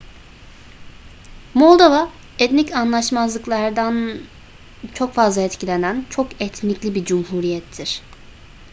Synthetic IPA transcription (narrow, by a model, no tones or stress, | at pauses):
mo̞lˠd̪ova | ɛt̪nicanlˠaʃmazlˠɯklˠaɾd̪an | t͡ʃʰo̞kfazlˠaɛt̪cʰilʲenænt͡ʃʰokɛt̪ʰniclʲibid͡ʒumhuɾijɛt̪ʰːiɾ̥